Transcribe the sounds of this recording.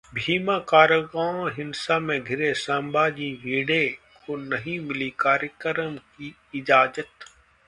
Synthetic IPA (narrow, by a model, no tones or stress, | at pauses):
bʱiːmakaːɾəɡaːõɦɪnsamẽɡʱɪɾesãːmbaːd͡ʒiʋiːɽekonɐɦĩmɪlikaːɾjəkəɾəmki | ɪd͡ʒaːd͡ʒət̪